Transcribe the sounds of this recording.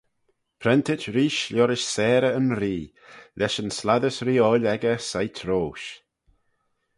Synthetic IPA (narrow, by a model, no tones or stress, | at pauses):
pʰɾɛnt̪ʰɪt͡ʃɾiːʃlɔɾɪʃsɛːɾəənɾiː | lɛʃənslaðəsɾiːɔːlɛɡəsajt̪ʰɾoːʃ